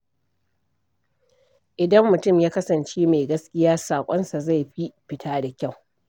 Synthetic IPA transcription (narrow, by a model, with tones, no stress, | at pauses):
ʔɪ˨dɐ˦mːʊ˨tʊ˦˨mjaː˦kɐ˦sɐ˨nt͡ʃeː˦meː˨ɡɐ˦skʲɪ˦jaː˦saː˨kʷʼɔ˦nsa˨za˦˨jɸi˦ɸɪ˦tʰaː˦da˨kʲa˦˨w